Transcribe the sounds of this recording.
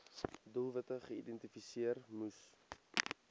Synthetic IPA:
dulˠvɐtəχəidɛntifisiərmus

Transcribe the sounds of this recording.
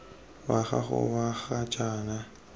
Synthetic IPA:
waɣaχʊ̰waɣat͡ʃʼaːna

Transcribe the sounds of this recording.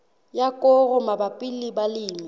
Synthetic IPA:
jakʼɔɣʊmabapʼɪlɪbalɪːmi

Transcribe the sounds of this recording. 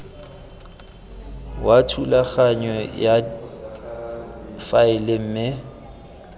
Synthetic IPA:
watʰulaɣaɲɔja | faɪlem̩ːmɪ

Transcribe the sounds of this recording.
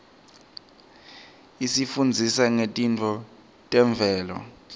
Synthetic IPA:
isifund͡zʱisaŋetʼintʰʼɔ | tʼɛɱb̪vʱɛːlɔ̰

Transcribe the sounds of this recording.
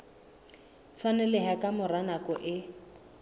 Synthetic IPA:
t͡sʰwanɛlɪɦakʼamʊranakɔʔɪ

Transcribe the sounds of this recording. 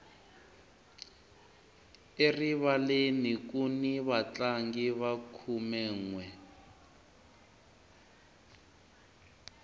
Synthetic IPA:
eriβalenikuniβat͡ɬaŋɡiβakʰumɛːŋwɛ

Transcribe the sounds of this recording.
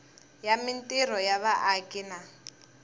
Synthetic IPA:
jamintʼir̤ɔjaβaʔakʼina

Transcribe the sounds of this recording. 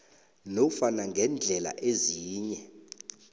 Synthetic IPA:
nɔfanaŋʱɛnd͡ɮʱɛla̰ʔeziːɲɛ

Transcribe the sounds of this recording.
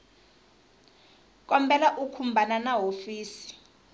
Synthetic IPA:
k̬ʼɔmbʱɛlaʔukʰumbʱananaɦofiːsi̥

